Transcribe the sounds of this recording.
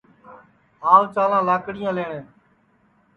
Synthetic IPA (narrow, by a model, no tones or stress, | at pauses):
ɦaːlt͡ʃaːlãːlaːkɽɪjãːleːɳẽː